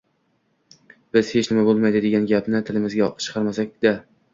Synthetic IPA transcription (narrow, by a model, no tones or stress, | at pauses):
b̥ɪz̥het͡ʃnɪmabolˠmajd̪ɪd̪eɡʲanɡʲapnɪt̪ʰɪlɪmɪzɡʲat͡ʃʰɨ̥qʰɑɾmasak̚ʲd̪̥a